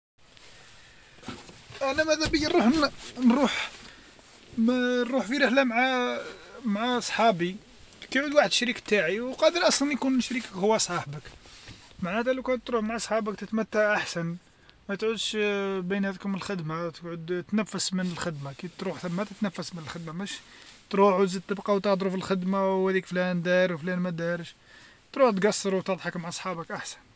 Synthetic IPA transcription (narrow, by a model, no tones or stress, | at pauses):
ʔænæmæd̪æbəjinuħnnɾˤuħ | mɾuħfiɾəħlæmʕa | mʕaɑsˤħɑbi | kæjʕud̪waħəd̪ʃɾikt̪aʕiwqɑd̪əlʔɑsˤlɑnjkunʃɾikə̥khʊwːæsˤɑħbək | maʕnæt̪ælukæʕd̪t̪ɾuħmaʕasˤħɑbəkt̪ət̪mæt̪ːaʕʔaħsæn | mæt̪ʕud̪ʃbinhæd̪khʊməlxəd̪mat̪əɡʕʊd̪t̪næfːəsmənəlxəd̪makit̪ɾuħθæmːæt̪ət̪næfːəsmənəlxəd̪mamæʃ | t̪ɾuħt̪zəd̪̚t̪ːəbqɑwt̪ɑd̪ˤɾufilxəd̪mawhæd̪ikflænd̪æɾwflænmæd̪ɑɾəʃ | t̪ɾuħt̪ɡɑsˤːəɾuwt̪ɑd̪ˤħəkmaʕʔɑsˤħɑbəkʔaħsæ̥n